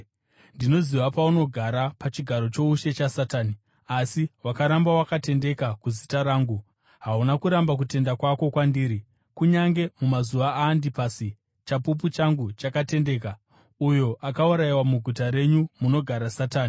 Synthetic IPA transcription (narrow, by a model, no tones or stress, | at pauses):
ndino̞ziʋapauno̞ɡʱaɾapat͡ʃiɡʱaɾo̞t͡ʃo̞uʃe̞t͡ʃasataːni | asiwakaɾambawakate̞nde̞kakuzitaɾaːŋɡu | ɦaunakuɾambak̬ute̞ndakwako̞kwandiːɾi | kuɲaŋɡe̞mumazuʋaaːndipasi | t͡ʃapup̬ut͡ʃaŋɡut͡ʃakate̞nde̞ːka | ujo̞ʔakauɾaiwamuɡʱutaɾe̞ɲumuno̞ɡʱaɾasataːni